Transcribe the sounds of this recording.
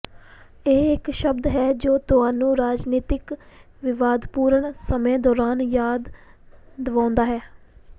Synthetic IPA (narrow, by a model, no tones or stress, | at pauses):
eːɪkʃəbd̪ɦɛːd͡ʒoːt̪ʊɦaːnũːɾaːd͡ʒniːt̪ɪk | ʋɪʋaːd̪puːɾəɳsəmẽːd̪ɔːɾaːnjaːd̪ː | əʋãːʊnd̪aːɦɛː